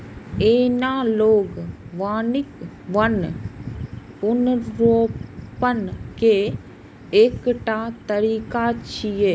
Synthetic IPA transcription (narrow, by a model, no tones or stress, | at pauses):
eːnaːloːɡʋaːnɪk | ʋɐn | pʊnɾoːpənkeː | eːkʈaːt̪əɾiːkat͡ʃʰijeː